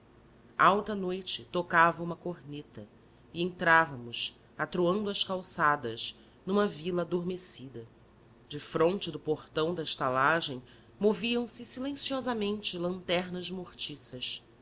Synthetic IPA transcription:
awt̪ɐnojt͡ʃɪt̪okavɐũmɐkoɾnet̪ɐ | ɪẽñt̪ɾavɐmʊʃ | at̪ɾuɐ̃nd̪ʊɐʃkawsad̪ɐʃ | nũmɐvilɐad̪oɾmesid̪ɐ | d͡ʒɪfɾõnt͡ʃɪd̪ʊpoχt̪ɐ̃w̃d̪ɐɪʃt̪alaʒẽj̃ | moviɐ̃w̃sɪsilẽsiɔzɐmẽnt͡ʃɪlɐ̃nt̪ɛɦnɐzmoχt͡ʃisɐʃ

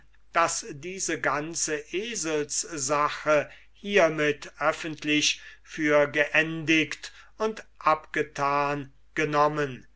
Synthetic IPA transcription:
d̥asdiːzəɡant͡səʔeːzəlszaxə | hiːɐmɪtʔœfəntʰlɪʃfyːɐɡəʔɛndɪkt | ʊntʔapɡ̥ətʰaːn | ɡ̥ənɔmən

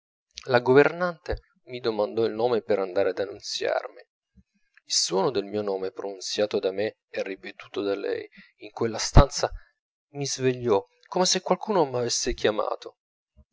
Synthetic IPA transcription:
laɡovernant̪e | mid̪omand̪ɔilnoːmepeɾand̪aːɾead̪anːunt̪sja̰rmi | ilswɔːnod̪elmiːonoːmepɾonunt̪sjaːt̪od̪ame | ɛrːipet̪uːt̪od̪alɛ̰j | iŋkwelːast̪ant̪sa | mizveʎːɔ | komesekwalkuːnomavesːekjama̰ːt̪o

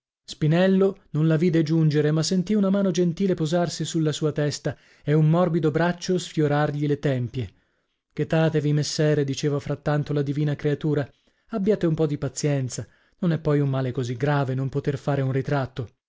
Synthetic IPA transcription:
spinɛlːononlaviːd̪ed͡ʒund͡ʒeɾemasːent̪iunamaːnod͡ʒent̪iːlepozarsisulːasuːat̪ɛst̪a | eumːɔrbid̪obɾat͡ʃːosfjoɾarʎilet̪ɛmpje | k̟et̪ːaːt̪evimesːɛːɾed̪it͡ʃeːvafɾat̪ːant̪olad̪iviːnakɾeat̪uːɾa | abːjaːt̪eumpɔd̪ipat̪sːjɛnt̪sa | nonɛpːɔjumːaːlekoziɡɾaːvenompot̪erfaːɾeunrit̪ɾat̪ːo

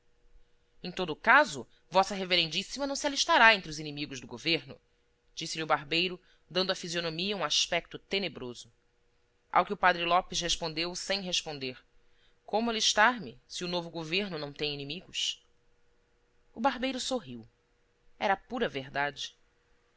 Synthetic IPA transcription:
ẽj̃t̪od̪ʊkazʊ̰ | vɔsɐɦeveɾẽnd͡ʒisimɐnɐ̃w̃sialiʃt̪aɾaẽnt̪ɾʊzinimiɡʊʒd̪ʊɡoveɾnʊ̰ | d͡ʒisɪliubaɾbejɾʊ | d̪ɐ̃nd̪ʊɐafizionomiɐũaʃpɛk̚t̪ʊt̪enebɾozʊ | ʔa̰wkɪʊpad̪ɾɪlɔpɪʃheʃpõnd̪ewsẽj̃ɦeʃpõnd̪eɾ | kõmʊaliʃt̪aɾmɪsiunovʊɡoveɾnʊnɐ̃w̃t̪ẽj̃inimiɡʊʃ | ʊbaɾbejɾʊsoɦiw | ɛɾɐpuɾɐveɦd̪ad͡ʒɪ

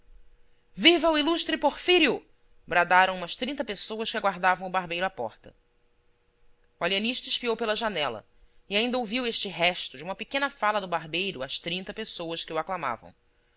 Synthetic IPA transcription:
vivɐwiluʃt̪ɾɪpoɾfiɾiʊ | bɾad̪aɾɐ̃w̃ũmɐʃt̪ɾĩnt̪ɐpesowɐʃkɪaɡwaɾd̪avɐ̃w̃ʊbaɦbejɾʊapɔ̰χt̪ɐ | ualiɐniʃt̪ɐɪʃpiowpelɐʒanɛlɐ̰ | ɪaĩnd̪ɐowviweʃt͡ʃɪɦɛʃt̪ʊd͡ʒɪũmɐpekẽnɐfalɐd̪ʊbaɦbejɾʊɐʃt̪ɾĩnt̪ɐpesowɐskɪuaklama̰vɐ̰̃w̃

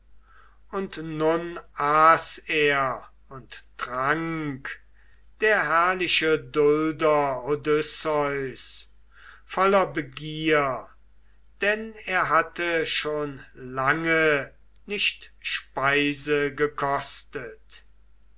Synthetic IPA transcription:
ʊntnʊnʔaːseːɐ | ʊnttʁaŋk | d̥eːɐɦæɐlɪʃədʊldɐodʏsɔʏs | fɔlɐbəɡiːɐ | d̥ɛneːɐɦatəʃoːnlaŋə | nɪʃtʃpaɪzəɡəkʰɔstət

